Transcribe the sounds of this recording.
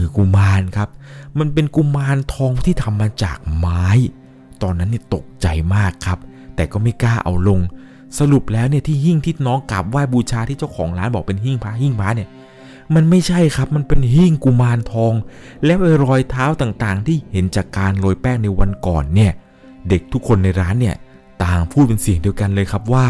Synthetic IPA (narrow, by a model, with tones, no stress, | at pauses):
ɯː˨˦ku˧maː˧nkʰa˦˥p̚ma˧npe˧nku˧maː˧nt̪ʰɔː˧ŋt̪ʰiː˥˩t̪ʰa˧mːaː˧t͡ɕa̰ː˨˩k̚maː˦˥j | t̪ɔː˧nːa˦˥nːi˥˩t̪o˨˩k̚t͡ɕa˧jmaː˥˩kʰːa˦˥p̚ | t̪ɛː˨˩kɔː˥˩ma˥˩jkaː˥˩ʔa̰˧wlo˧ŋ | sa˧ɾu˨˩p̚lɛː˦˥wni˥˩t̪ʰiː˥˩ɦi˥˩ŋt̪ʰi˥˩t̪̚nɔː˦˥ŋka̰˨˩p̚waː˥˩jbuː˧t͡ɕʰaː˧t̪ʰiː˥˩t͡ɕa˥˩wkʰɔ̰ː˩˦ŋlaː˦˥nbɔː˨˩k̚pe˧nɦi˥˩ŋpʰaː˦˥ɦi˥˩ŋpʰaː˦˥ni˥˩ɐ | ma˧nma˥˩jt͡ɕʰa˥˩jkʰa˦˥p̚ma˧npe˧nɦi˥˩ŋku˧maː˧nt̪ʰɔː˧ŋ | lɛː˦˥wʔa˧jɾɔː˧jt̪ʰaː˦˥wt̪aː˨˩ŋt̪aː˨˩ŋt̪ʰiː˥˩he˩˦nt͡ɕaː˨˩kːaː˧nloː˧jpɛː˥˩k̚na˧jwa˧nkɔ̰ː˨˩nːi˥˩ɐ | de˨˩k̚t̪ʰu˦˥kʰːo˧nːa˧jɾaː˦˥nːi˥˩ɐ | t̪aː˨˩ŋpʰuː˥˩t̪̚pe˧nsi˨˩əŋdi˧əwka˧nlɤː˧jkʰa˦˥p̚waː˥˩